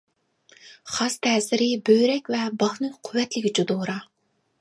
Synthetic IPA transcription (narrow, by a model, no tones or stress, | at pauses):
χɑst̪ʰɛːsɪɾɪbøjɾɛkʲvɛbɑχnɨqʰʊvːɛt̪lɪkʲt͡ʃud̪oːɾɑ